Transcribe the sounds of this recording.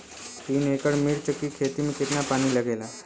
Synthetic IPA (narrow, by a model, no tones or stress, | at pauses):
t̪iːnekəɽmiːɽt͡ɕəkːiːkʰet̪imẽket̪napaɽ̃iːləɡela